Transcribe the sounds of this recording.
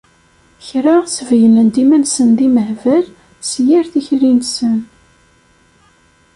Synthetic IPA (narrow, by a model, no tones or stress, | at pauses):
çɾaʁsəvjələnd̪imænsənðiməhvæl | sjiɾθiçɾinsən